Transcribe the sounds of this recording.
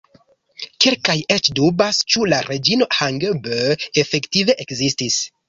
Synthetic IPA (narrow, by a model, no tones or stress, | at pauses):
kelkajet͡ʃdubast͡ʃulaɾʔe̞d͡ʒino̞haŋɡbøefe̞ktive̞ʔekzistis